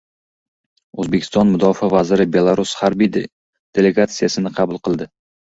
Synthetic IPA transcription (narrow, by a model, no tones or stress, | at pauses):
ɵzbekʲʰɪst̪ɒnmʊd̪ɒfavazɪɾɪbe̞lˠaɾushaɾbij̪ | d̪̥e̞le̞ɡat̪sɨjasɪnɪqʰɑbʊlˠqʰɨlˠd̪ɪ